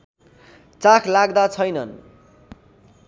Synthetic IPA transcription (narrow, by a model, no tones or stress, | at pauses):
t͡sakʰlaɡd̪at͡sʰʌjnʌn